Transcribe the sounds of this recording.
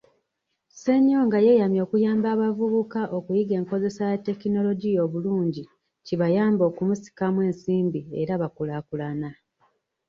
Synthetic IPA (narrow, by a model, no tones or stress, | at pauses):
se̞ɲːo̞ŋɡaje̞jamjo̞ːkujaːmbaːβavuβukaʔo̞kujiɡe̞ːŋko̞ze̞sajatːe̞kino̞lo̞ɟijo̞ːβuluːɲɟi | ciβajaːmboːkumusi̥kamwe̞ːnsiːmbieɾaβakulaːkulana